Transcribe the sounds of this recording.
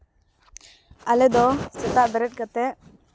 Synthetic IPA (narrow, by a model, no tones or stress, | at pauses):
alɛd̪ɔsɛt̪aʔbɛɾɛʈ̚kat̪ɛ